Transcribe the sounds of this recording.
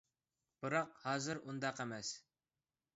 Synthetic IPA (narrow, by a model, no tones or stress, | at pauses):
b̥ɨɾɑqhɑːzɨɾund̪ɑqemɛs